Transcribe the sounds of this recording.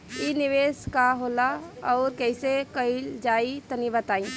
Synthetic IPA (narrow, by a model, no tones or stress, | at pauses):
inɪʋeːskaɦoːlaɔːɾkɛɪsekəild͡ʒaːit̪ənibət̪aːĩ